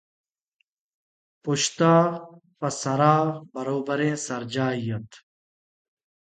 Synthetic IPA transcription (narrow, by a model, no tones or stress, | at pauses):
puɕt̪aːpɐsɐɾaːbɐɾoːbɐɾẽːsɐɾd͡ʑaːijɐt̪